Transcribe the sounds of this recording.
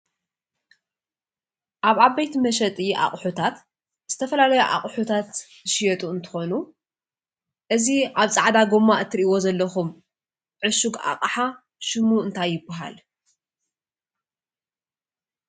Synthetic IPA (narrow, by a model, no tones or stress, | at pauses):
ʔaβaβɐjt̪mɐʃɐt̪ʼiʔa̰χʼħut̪ʰat̪ | z̥ɨt̪ʰɐfɐlalɐjuʔa̰qʼħut̪ʰat̪ː | ɨʃijɐt̪ʼuɨnt̪ʰɨ̥xo̞nu | ʔɨziʔaβt͡sʼaʕd̪aɡomːaʔt̪ʰːɨɾʔiwo̞zɐlːɐxum | ʕɨʃuɡa̰qʼħa | ʃɨmuɨnt̪ʰajːɪbːaɦa̰l